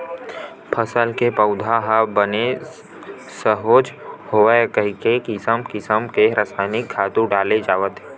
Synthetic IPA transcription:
pʰəsəlkepəʊd̪ʱaɦabəne | səɦoːd͡ʒhoəkəɦikekɪsəmkɪsəmkeɾəsaːnɪkʰːaːt̪uɖaːled͡ʒaːʋət̪ɦ

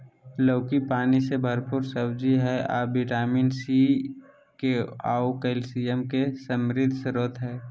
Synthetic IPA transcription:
loːkipaːnisebʱəɾpʊɾsəbd͡ʒiɦɛaːbɪʈaːmiːnsi | keaːukəɪlsijəmkesəmɾɪd̪ʱsɾoːt̪ɦɛː

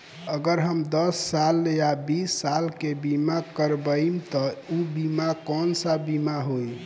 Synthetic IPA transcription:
əɡəɾɦəmd̪əsːaljabisːalkebimakəɾbəimt̪ɔubimakɔnsəbimaɦoj

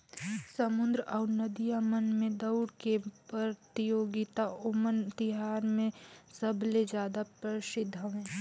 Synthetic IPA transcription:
sɐmʊnd̪ɾəʔɔːɾnəd̪ijamənmẽd̪ɐʊɽkepəɾt̪ijoːɡɪt̪aʊmənt̪ɪɦaːnmẽsəbʱled͡ʒjaːd̪apɾəʃɪd̪ʱːəʋɦɛ̃ː

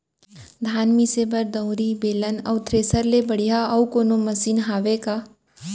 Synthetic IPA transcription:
d̪ʱaːnmisebəɾd̪əʊɾibeːlənɐ̰ːt̪ʰɾeːsəɾlebəɽ̤ijaɐwkoːnomɐsiːnɦaːʋekaː

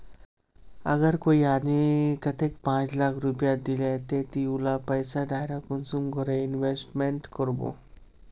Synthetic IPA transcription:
ə̰ɡəɾkoianikət̪ekpãt͡slakʰɾupjad̪ilet̪et̪iulapəjsaɖajɾakunsumɡʱoɾeinʋesʈmeɳʈkəɾbo̰

